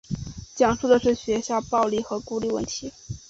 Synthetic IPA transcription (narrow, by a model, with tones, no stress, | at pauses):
t͡ɕjɑ˨˩ŋʂu˥˩d̪ə˩ʂɻ̩˥˩ɕɥɛ˧˥ɕja˥˧pɑ˥˧ʊli˥˩xɤ˧˥ku˥li˥˧wə̰˥˩nt̪ʰi˧˥